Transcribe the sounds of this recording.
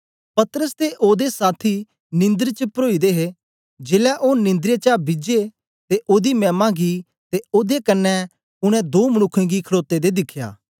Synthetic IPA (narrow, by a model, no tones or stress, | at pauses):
pɐt̪ɾəst̪eʔoːd̪esaːt̪ʰi | nɪ̃nd̪əɾt͡ʃəpəɾoːid̪eɦe | d͡ʒeːlɛʔoːnɪ̃nd̪ɾjet͡ʃabɪd͡ʒe | t̪eʔoːd̪imɛːmãɡi | t̪eoːd̪ekɐnːɛ | ʊɽ̃ɛ̃d̪oːmɐñʊkʰːẽɡikʰəɾoːt̪ːed̪ed̪ɪkʰːja̰ː